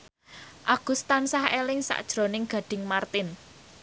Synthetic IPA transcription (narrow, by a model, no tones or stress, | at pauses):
ʔaɡ̥ust̪ansahelɪŋsa̰ʔd̥ʒ̥ɾonɪŋɡ̥a̤ɖ̥ɪ̤ŋmart̪ɪn